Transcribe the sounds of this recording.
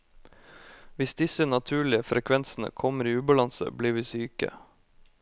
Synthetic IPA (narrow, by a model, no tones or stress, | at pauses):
ʋɪsd̪ɪsənɑt̪ʰʉːɭɪəfɾʔɛkʰʋɛnsn̩ə̰kʰɔməɾiːʉːbɑlɑnsə̰bliːʋiːsyːkə̰